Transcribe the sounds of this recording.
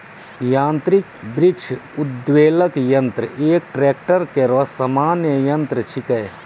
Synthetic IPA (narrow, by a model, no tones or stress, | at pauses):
jãːnt̪ɾɪkbɾɪkʃʰud̪ʋeːləkjɐ̃nt̪ɾəʔeːk̚ʈɾeːkʈəɾkeɾɔsamaːnjəjɐ̃nt̪ɾət͡ʃʰikɐj